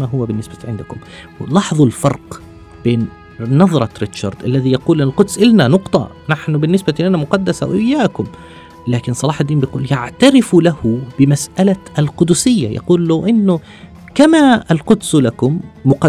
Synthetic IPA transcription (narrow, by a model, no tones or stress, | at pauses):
maɦʊwːabɪnːɪsbaʕɪnd̪akʊmwlɑħðˤɑlfɑɾˤq | b̥eːnː | ɑðˤɾˤɑɾɪt̪ʃɑɾˤd̪ʔalːaðijɑquːlʔɪnalqʊd̪sʔɪlnanʊqt̪ˤɑ̰naħnʊbɪnːɪsbalɪnamʊqɑd̪ːasa̰wʔɪjːaːkʊm | laːkɪnsˤːɑlɑːħad̪ːiːmbjquːljaʕt̪aɾɪflahʊb̥ɪmasʔalaʔalqʊd̪ʊsɪjːa̰jɑ̰quːlːawʔɪnːʊ | kamaalqʊd̪slakʊmːʊqɑ